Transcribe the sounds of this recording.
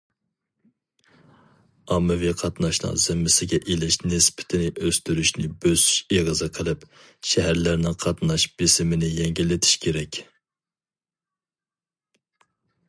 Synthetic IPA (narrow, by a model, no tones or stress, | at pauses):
ɑmːɪviqʰɑt̪nɑʃnɨ̰ŋzɪmːɪsɪɡʲɛʔelɪʃnɪspʰɪ̥t̪ʰɪnɪʔøst̪yɾyʃnɪbøsy̥ʃeʁəzɨqʰəlˠɨɪp | ʃɛɦæɾlæɾnɪŋqʰɑt̪nɑʃbɪsɪmɪnɪjɛŋɡʲilːɪt̪ʰi̥ʃkʲʰeɾɛkʲ